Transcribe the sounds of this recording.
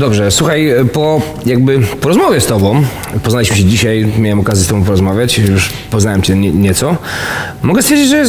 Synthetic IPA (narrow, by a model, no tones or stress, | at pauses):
d̪ɔbʐɛswuxajpɔ | jaɡbɘpɔɾɔzmɔvʲjɛst̪ɔbɔ̃w̃ | pɔznalʲiɕmɘɕɛd͡ʑiɕajmʲjawɛmɔkazʲjɛsɔbɔ̃p̬ɔɾɔzmavʲjat͡ɕjuʂ | pɔznawɛmt͡ɕɛɲɛɲɛt̪sɔ | mɔɡɛsfʲeɛɾd͡ʑid͡ʑʐɛjɛs